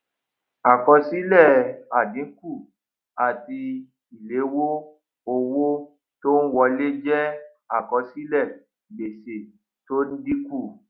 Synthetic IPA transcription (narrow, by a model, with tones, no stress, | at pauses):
a˨kɔ˧si˦lɛ˦˨a˨dĩ˨˦ŋ̩˦ku˦˨ | a˨ti˧ | i˨le˨˦wo˦ | o˧wo˦ | to˦ñ̩˦wɔ˧le˦d͡ʒɛ˦ | a˦˨kɔ˧si˦lɛ˦˨ | be˨se˨ | to˦n̩˦dĩ˦ku˦˨